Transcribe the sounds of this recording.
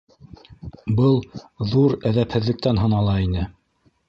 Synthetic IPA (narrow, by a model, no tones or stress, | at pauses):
bɤlˠðuɾæðæphɘ̆ðːɘ̆k̚t̪ænɦɤ̆nɑlˠɑinɘ